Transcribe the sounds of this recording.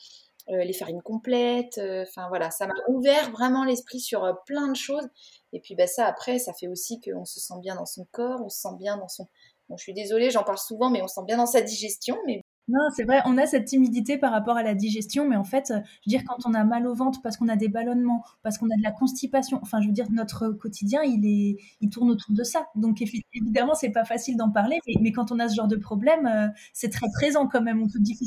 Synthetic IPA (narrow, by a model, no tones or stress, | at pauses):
ølefaʁinkɔ̃plɛt̪øɑ̃fɛ̃vwalasamaʔuvɛʁvʁɛmɑ̃lɛspχisyʁplɛ̃d̪əʃoz | epɥibasaːpχɛsafɛosikəɔ̃sə̥sɑ̃bjɛ̃d̪ɑ̃sɔ̃kɔːʁɔ̃sə̥sɑ̃bjɛ̃d̪ɑ̃sɔ̃ | bɔ̃əʃɥid̪ezɔleʒɑ̃paʁlsuvɑ̃mɛɔ̃sə̥sɑ̃bjɛ̃d̪ɑ̃sad̪iʒɛst̪jɔ̃mɛ | nɔ̃sɛvʁɛʔɔ̃nasɛt̪ːimid̪it̪epaʁapɔʁalad̪iʒɛst̪jɔ̃mɛɑ̃fɛt̪øʒvəd̪iʁkɑ̃t̪ɔ̃namalovɑ̃t̪χpaʁsə̥kɔ̃nad̪ebalɔnmɑ̃ | paʁsə̥kɔ̃nad̪əlakɔ̃st̪ipasjɔ̃ʔɑ̃fɛ̃ʒəvəd̪iʁnɔt̪χəkɔt̪ʰid̪jɛ̃ilɛ | ilt̪uʁnot̪uʁd̪əsad̪ɔ̃kefievid̪amɑ̃sɛpafasild̪ɑ̃paʁlemɛmɛkɑ̃t̪ɔ̃nasəʒɑ̃ʁd̪əpχɔblɛmø | sɛt̪χɛpχezɑ̃kɑ̃mɛmɔ̃pød̪ifi